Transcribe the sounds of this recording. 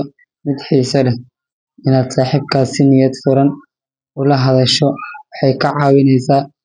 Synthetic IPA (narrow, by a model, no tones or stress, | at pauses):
mɪd̪ħiːsɐlɛ | ɪnaːd̪saːħiːbkʰaːsɪnɪjɐd̪fʊɾɐn | ʊlɐɦɐðɐʃɔwɑħɑjkʰɐʕɑːwɪnɛjsaː